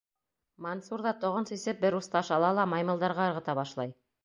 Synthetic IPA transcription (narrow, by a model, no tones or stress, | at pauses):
mɐnsuɾðɑt̪ŏʁɤnsisɘp̚bɘɾust̪ɑʃɑlˠɑlˠɑmɑjmɤ̆lˠd̪ɑɾʁɑɤ̆ɾʁɤ̆t̪ɑβɑʃlˠɑj